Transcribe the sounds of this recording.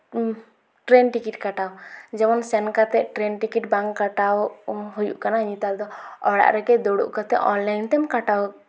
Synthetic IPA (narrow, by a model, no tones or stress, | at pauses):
ʈɾɛnʈikiʈ̚kaʈawd͡ʒɛmɔnsɛnkat̪ɛʔʈɾɛnʈikiʈbaŋkːaʈawɦujṵʔkanaɲit̪ald̪ɔɔɽa̰ʔɾɛkɛd̪ɔɽṵʔkat̪ɛɔnlajnt̪ɛmkaʈaw